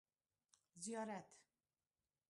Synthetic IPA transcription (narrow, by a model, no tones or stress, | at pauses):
zijɒɾɛt̪ʰ